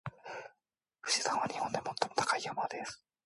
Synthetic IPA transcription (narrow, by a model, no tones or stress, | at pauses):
ɸɯ̟̥ɕi̥sãβanʲihond̪emo̞t̪ːo̞mot̪ʰḁkaijomad̪esɨ̥